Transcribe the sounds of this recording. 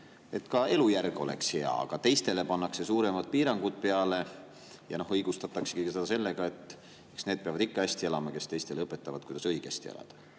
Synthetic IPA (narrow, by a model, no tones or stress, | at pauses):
e̞t̪kɑe̞lujærɡ̥o̞le̞̰ksheɑ̰ɑ̰ɡ̥ɑt̪e̞jst̪e̞le̞pɑnːɑkse̞suːɾe̞mɑt̪̚piːɾɑŋɡ̥ud̪̥̚pe̞ɑle̞ | jɑno̞hɤjɡ̥ust̪ɑt̪ːˑɑksekijksed̪ɑse̞lːeɡ̥ɑe̞t̪ːˑ | eksned̪̚peɑvɑd̪ikːɑæsʲt̪ielɑmɑke̞st̪e̞jst̪e̞leɤpːˑet̪ːɑvɑ̰d̪̚kujd̪ɑsɤjɡ̥æ̰st̪iḛlɑ̰d̪̥ɑ̥